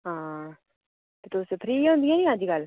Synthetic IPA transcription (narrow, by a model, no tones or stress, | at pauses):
ɦãː | t̪et̪oːsepʰɾiːɦõːnd̪ijãnĩad͡ʒiːɡəl